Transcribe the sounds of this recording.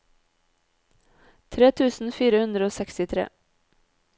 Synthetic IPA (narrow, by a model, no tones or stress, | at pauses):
t̪ʰɾeːt̪ʰʉːsn̩fiːɾəhʉnd̪ɾəoːsɛkst̪ɪt̪ʰɾḛː